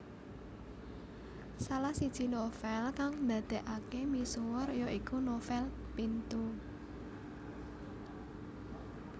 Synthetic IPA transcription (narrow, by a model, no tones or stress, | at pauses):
salahsid̥ʒ̥inofɛlkaŋnd̪ä̤d̪̥e̤ʔakemisowrjɔʔikunofɛl | pint̪u